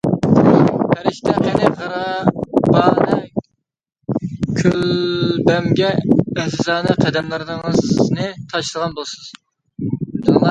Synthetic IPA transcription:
hʰæɾiʃt̪ʰɛqʰɛnɪχɑɾɑb̥ɑːnɨ | kʲʰølbɛmɡʲɛːsɪzɑːnɨqʰɛd̪ɛmlˠɨɾnɨŋznɨt̪ʰɑʃlˠəʁɑnbolˠɨsɨz̥ | t̪ʰunlˠɑ

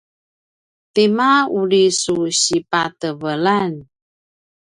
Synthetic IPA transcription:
temaulisuɕipatəvəlan

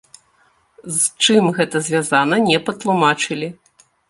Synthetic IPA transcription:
zt͡ʂɨmɣɛt̪ɐzʲvʲazan̪ɐnʲɛpɐt̪lˠumat͡ʂɨlʲi

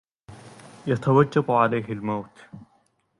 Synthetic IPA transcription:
jɐt̪ʰɐwad͡ʒːafʊʕalajɦɪlmɐwt̪

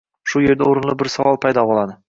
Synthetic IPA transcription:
ʃʊje̞ɾd̪aoɾɪnlˠɪbɪɾsavɒlˠpʰajd̪ɒbɒlˠad̪ɪ

